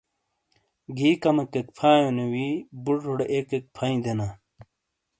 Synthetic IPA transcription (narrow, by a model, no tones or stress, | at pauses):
ɡiːkɐmɐkekpʰaːjonewibuɽɾoɽekek̚pʰɐĩd̪ena